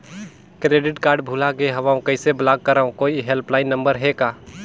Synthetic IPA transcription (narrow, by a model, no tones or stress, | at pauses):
kɾeːɖɪʈkaːɾɖbʱuːlaɡeɦɐʋaːũkɐɪseblaːɡ̚kəɾaːõkoːiɦelplaːɪnːɐ̃mbəɾɦekaː